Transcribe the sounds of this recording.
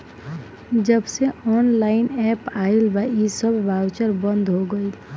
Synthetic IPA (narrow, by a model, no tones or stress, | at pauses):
d͡ʒəbseɔːnlaːɪnɛpailbaisəbʱbʱawt͡ʃəɾbə̃nd̪ʱɦoɡəil